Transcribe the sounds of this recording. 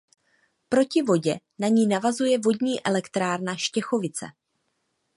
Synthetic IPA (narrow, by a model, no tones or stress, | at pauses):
pɾo̞cɪvo̞ɟɛ | naɲiːnavazujɛvo̞dɲiːʔɛlɛkt̪ɾaːɾnaʃcɛxo̞vɪt͡sɛ̰